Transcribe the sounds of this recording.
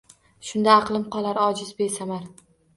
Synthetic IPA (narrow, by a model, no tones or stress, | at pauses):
ʃʊnd̪aːqlˠɪmqʰɒlˠaɾɒd͡ʒɪzbe̞samaɾ